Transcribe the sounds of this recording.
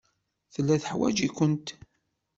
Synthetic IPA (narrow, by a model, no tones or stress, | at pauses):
θəlːæθəħwæ̰d͡ʒikʷənt̪